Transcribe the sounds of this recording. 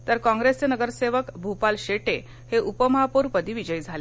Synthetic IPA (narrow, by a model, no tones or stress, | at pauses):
t̪əɾkɔ̃ŋɡɾest͡senəɡəɾseʋəkbʱupalɕeʈe | heʔupəməɦapoɾpəd̪ʱiːʋid͡ʑəjd͡zʱale